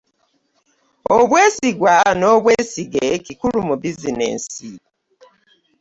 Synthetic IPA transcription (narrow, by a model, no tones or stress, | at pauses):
oβwe̞ːsiɡwano̞ːβweːsiɡekikulumubizinḛːsi